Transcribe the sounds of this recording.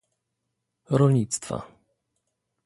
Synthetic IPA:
ɾɔlʲɲit̪st̪fa̰

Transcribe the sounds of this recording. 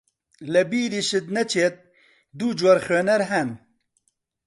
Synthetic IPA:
lɛbiːɾiʃɪt̪̚nɛt͡ʃʰeːt̪̚ | d̪uːd͡ʒwɐɾxeːnɛɾɦɛn

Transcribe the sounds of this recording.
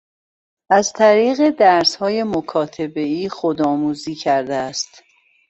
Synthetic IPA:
æzt̪ʰæɾiːɣe̞d̪æɾshɒːje̞mokʰɒːt̪ʰe̞be̞iːxo̞d̪ɒːmuːziːcʰæɾd̪eæst̪

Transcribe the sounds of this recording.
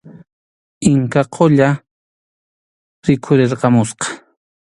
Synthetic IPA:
ɪŋkaqʰoʎa | ɾɪkʰʊɾeɾqɑmʊsqɑ̥

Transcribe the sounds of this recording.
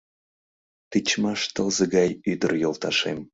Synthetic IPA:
t̪ɨt͡ɕmɑʃt̪əlzəɡɑjyd̪ərjolˠt̪ɑʃem

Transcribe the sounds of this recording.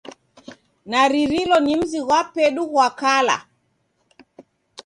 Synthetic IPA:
naɾiɾilɔnim̩ziɣwapɛɗuɣwakala̰

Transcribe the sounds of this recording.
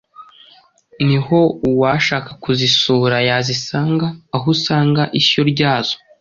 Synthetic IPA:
niho̞uwaʃaːkakuzisuːɾajazisaːŋɡaːɦusaːŋɡaʔisoɾɟaːz̥o̥

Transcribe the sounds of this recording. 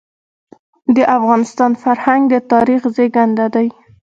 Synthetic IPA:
d̪əʔafɣɑnɪst̪ɑnfaɾhaŋɡd̪ət̪ɑɾixzeɡand̪ad̪aj

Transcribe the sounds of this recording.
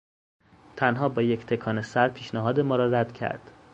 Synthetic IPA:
t̪ʰænɦɒːbɒːject̪ʰe̞kʰɒːnesæɾpʰiːʃnæɦɒːd̪e̞mɒːɾɒːɾæd̪̥cʰæ̰ɾd̪̥

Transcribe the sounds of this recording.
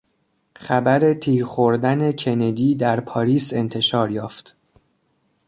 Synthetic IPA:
χæbæɾe̞t̪ʰiːɾχo̞ɾd̪æne̞cʰe̞ned̪iːd̪æɾpʰɒːɾiːse̞nt̪ʰe̞ʃɒːɾjɒːft̪

